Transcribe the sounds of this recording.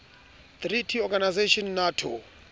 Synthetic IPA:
t̪ritʰiɔɡanajzeʃɔnnatʰo̰

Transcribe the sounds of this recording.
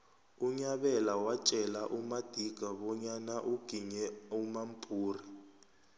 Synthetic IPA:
uɲaɓɛlawat͡ʃʼɛlaʔumad̥ʱiɡ̥ʱaɓɔɲanaʔuɡ̥ʱiɲɛumampʼuːri

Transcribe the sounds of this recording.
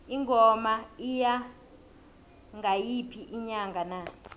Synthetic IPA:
iŋʱɔmaija | ŋɡʱajipʰiʔiɲaŋɡʱana

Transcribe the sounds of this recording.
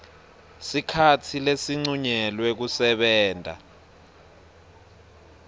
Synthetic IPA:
sikʰatʰilesiŋ͡ǀuɲɛlwɛk̬usɛɓɛːntʼa̰

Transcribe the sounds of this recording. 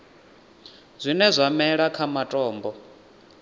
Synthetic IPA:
zʷinɛzʷamɛɺakʰamatʼɔːmbɔ

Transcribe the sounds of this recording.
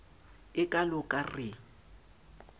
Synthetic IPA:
ɪkʼalʊkʼarɪ

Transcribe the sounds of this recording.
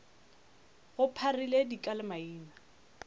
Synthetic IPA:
ɣʊpʰariledikʼalɪmaiːna

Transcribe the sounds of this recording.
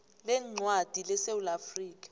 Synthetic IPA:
lɛŋ͡ǀwad̥ʱilɛsewulafriːk̬ʼḁ

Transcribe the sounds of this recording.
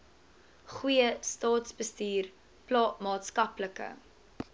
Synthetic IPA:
χujəstɑːtsbəstiːr | plɑːmɑːtskɐpləkə̰

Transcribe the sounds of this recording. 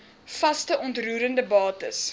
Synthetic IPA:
fɐstəʔɔntruːɾəndəbɑːtəs

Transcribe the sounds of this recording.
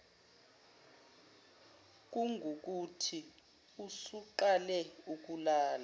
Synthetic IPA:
k̬uŋʱuk̬utʰi | usuǃalɛuk̬ulaːla

